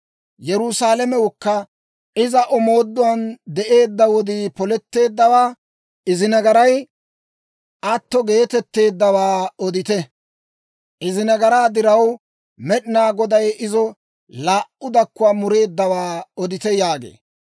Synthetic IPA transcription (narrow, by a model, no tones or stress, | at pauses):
jɛɾʊsaːlɛmɛwʊkːɐ | ɪzɐʔɔmo̞ːd̪ːʊwɐnd̪ɛʔe̞ːd̪ːɐwɔd̪ipɔlɛt̪ːe̞ːd̪ːɐwaː | ɪzɪnɐɡɐɾɐj | ʔɐt̪ːɔɡe̞ːt̪ɛt̪ːe̞ːd̪ːɐwaːɔd̪ɪt̪ɛ | ʔɪzɪnɐɡɐɾaːd̪ɪɾɐw | mɛɗɪnaːɡɔd̪ɐjɪzɔ | laːʔʊd̪ɐkːʊwaːmʊɾe̞ːd̪ːɐwaːɔd̪ɪt̪ɛjaːɡḛː